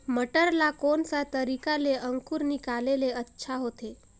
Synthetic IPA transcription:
məʈəɾlakonsat̪əɾikaleəŋkuɾnikaleleətːʃʰaɦot̪e

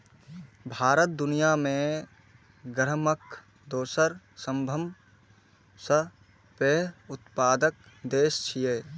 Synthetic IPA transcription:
bʱaːɾət̪̚d̪ʊnijamẽ | ɡɾməkʰ | d̪oːsəɾ | sə̃mbʱəm | sə | peːʊt̪paːd̪ək̚ | d̪eːst͡ʃʰijeː

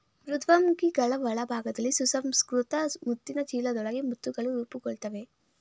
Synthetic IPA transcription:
mɾud̪ʱʋɐmɡiɡɐɭɐʋɐɭɐbʱaːɡɐd̪ɐlːisusɐmskɾut̪ɐmut̪ːinɐt͡ʃiːlɐd̪ɔɭɐɡemut̪ːuɡɐɭuɾuːpuɡɔɭt̪ɐʋe̞

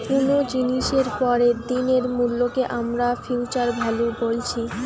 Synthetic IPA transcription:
punod͡ʑiniʃeɾpɔɾed̪ineɾmulːokeʔamɾafilt͡ɕaɾbʱalobolt͡ɕʰi

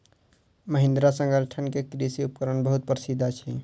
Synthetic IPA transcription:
məɦɪ̃nd̪ɾasə̃ŋɡəlʈʰənkekɾisiupkəɾənbəɦut̪̚pəɾsid̪ʱat͡ʃʰi

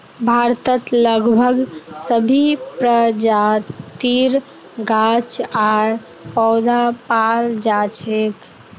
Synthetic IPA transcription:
bʱaɾt̪ət̪ləɡbʱəɡsəbʱipɾəd͡ʒat̪iɾ | ɡat͡ʃʰaɾ | pɔʊd̪apald͡ʒat͡ʃʰek

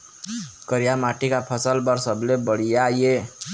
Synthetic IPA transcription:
kəɾijamaʈikapʰʌsəlbʌɾsəblebəɽ̤ijaje

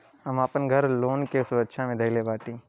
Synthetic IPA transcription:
ɦɐmapənɡʱɐɾloːnkesʊɾəkʃʰamẽd̪ɐlebaːʈ̪ĩː

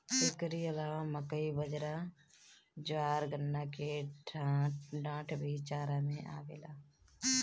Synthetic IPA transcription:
sekəɾiəlaːʋaməkəibəd͡ʒɾa | d͡ʒʋaːɾɡənːake | ɖãːʈʰbʱit͡ʃaːɾamẽʔa̰ːʋeːlaː

